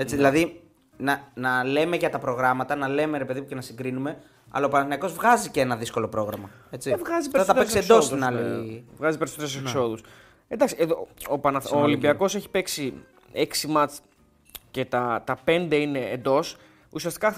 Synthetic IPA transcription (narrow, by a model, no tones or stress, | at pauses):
eiðilɐði | nɐnɐle̞meʝɐt̪ɐpɾo̞ɣɾɐmɐt̪ɐnɐle̞me̞ɾe̞pe̞ðimuce̞nɐsiŋɡɾinume̞ | ɐ̰lɐopɐnɐθnɐko̞zvɣɐziceenɐðisko̞lo̞pɾo̞ɣɾɐmɐ | e̞t͡sievɣɐzipeɾɐot̪ɐpesksiend̪osst̪inɐlivɣɐzipeɾisot̪eɾes̬usekso̞ðus | end̪ɐksieðoopɐnɐθoolimbiɐko̞seçi̥pe̞ksi | eksimɐt͡s | ce̞t̪ɐt̪ɐpe̞nd̪e̞ine̞ːnd̪o̞s | usiɐst̪i̥kɐ